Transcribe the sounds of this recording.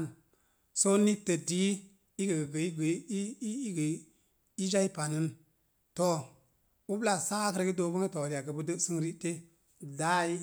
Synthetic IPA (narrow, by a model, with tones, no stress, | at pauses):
n | so˦ni˦tːə˨di˨˦ | i˦ɡə˨ɡə˨ɡə˨i˦ɡi˦ɡə˨ | i˦d͡ʒa˦i˦pa˨nɨ˦n | to˦ | u˦bla˨sa˦kə˦ɾɡə˦do˧˨bə˦ŋe˦to˨ɾi˨a˨ɡə˨bə˧də˦sɨ˦ŋɾi˦te˦ | da˦